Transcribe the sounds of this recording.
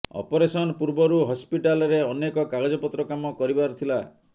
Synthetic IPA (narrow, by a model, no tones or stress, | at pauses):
ɔ̰pɔɾesɔnɔpuɾbɔɾuɦɔspiʈalɔɾeɔnekɔkaɡɔd͡ʒɔpɔt̪ɾɔkamɔkɔɾibaɾut̪ʰila